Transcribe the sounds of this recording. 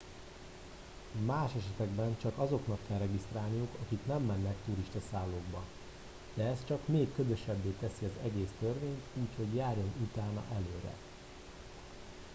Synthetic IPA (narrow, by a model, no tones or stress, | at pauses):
maːʃɛʃɛt̪ɛɡbɛnt͡ʃɒkɒzo̞kn̪ɒkːɛlrɛɡist̪raːlnijukɒkiknɛmːɛnːɛkt̪uɾiʃt̪ɒsaːlːoːɡbɒ | d̪̥ɛɛst̪t͡ʃɒkmeːkːødø̞ʃɛbːeːt̪ɛsiɒzɛɡeːst̪ø̞rʋeːɲt̪uːcho̞ɟjaːrjo̞nut̪aːnɒ̰ʔɛløːɾɛ̰